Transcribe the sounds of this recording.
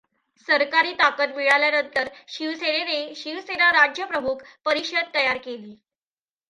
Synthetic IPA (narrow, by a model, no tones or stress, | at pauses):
səɾkaɾiːt̪akət̪miɭaljanənt̪əɾɕiʋseneneɕiʋsenaɾad͡ʑjəpɾəmukpəɾiɕəd̪̚t̪ːəjaɾkeliː